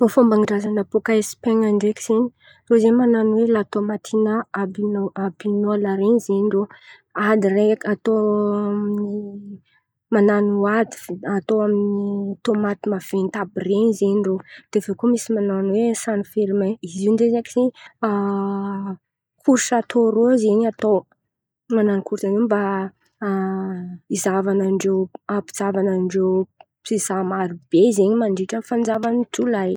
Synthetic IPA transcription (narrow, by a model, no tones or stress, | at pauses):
mofombaŋiɖ͡ʐazanapokaespeŋaɳɖ͡ʐeki̥z̥eni̥ | rozemananwelat̪omat̪ʰinaabinabinoalaɾenizeɳɖ͡ʐo | ad̪iɾekat̪oamni | mananuad̪iat̪oaminit̪omat̪imav̥ent̪abirenizeɳɖ͡ʐod̪̥eveokumisimananwesanifeɾmeiziundezakiseɲa | kʰuɾsat̪oɾozeɲat̪o | mananikuɾsaneba | izavanaɳɖ͡ʐewapid͡zavanaɳɖ͡ʐew | pizamaɾub̥ezeɲimaɳɖ͡ʐiʈ͡ʂənfand͡zavanitulaj